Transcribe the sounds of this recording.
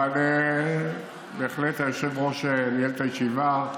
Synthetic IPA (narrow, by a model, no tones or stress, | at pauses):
ane | beːχlet̪ajoʃevʁoʃelejelet̪ajeʃiva